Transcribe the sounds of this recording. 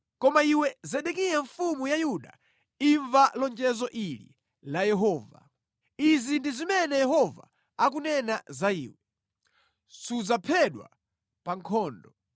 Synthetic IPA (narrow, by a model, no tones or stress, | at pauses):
kɔmaiwɛzɛɗɛkijaɱfumujajuɗa̰ | iɱvalɔnd͡ʒɛzɔʔilḭ | lajɛɦɔːva̰ | izindizimɛnɛjɛɦɔva̰ | ak̬unɛnazaḭːwɛ | sud͡zapʰɛɗwa̰ | paŋkʰɔːndɔ